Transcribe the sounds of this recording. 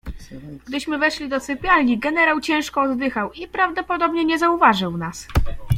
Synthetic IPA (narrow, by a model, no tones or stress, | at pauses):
ɡd̪ɘɕmɘvɛʂlʲid̪ɔsɘpʲjalɲiɡɛnɛɾawt͡ɕɛ̃w̃ʂkɔɔd̪d̪ɘxawipɾavd̪ɔpɔd̪ɔbɲɛɲɛzauvaʐɘwnas